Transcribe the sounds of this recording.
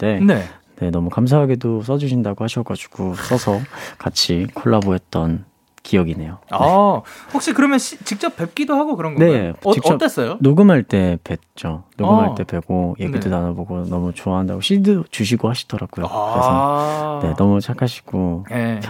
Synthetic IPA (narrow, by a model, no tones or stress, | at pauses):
t͈e̞nene̞nʌmukams̬ʰaɦaɡe̞dos̬͈ʌd͡ʑuɕ̬ʰindaɡohaɕʰʌɡad͡ʑu̥ɡ̥os͈ʌsʰʌkat͡ɕʰikʰoɭːaboɦe̞t̚t͈ʌn | kijʌɡine̞joanehak̚ɕ͈ikɯɾʌmjʌnɕʰit͡ɕik̚t͡ɕ͈ʌp̚p͈e̞p̚k͈idoɦaɡokɯɾʌnɡne̞t͡ɕit͡ɕʌt͈es͈ʌjonoɡɯmɦaɭt͈e̞pe̞t̚t͡ɕ͈onoɡɯmɦaɭt͈e̞pe̞ɡoje̞ɡidonanaboɡonʌmut͡ɕoaɦandaɡoɕʰidɯt͡ɕuɕ̬ʰiɡohaɕʰi̥d̥ʌɾaɡ̥ojokɯɾeʌne̞nʌmut͡ɕʰakʰaɕʰi̥ɡ̥o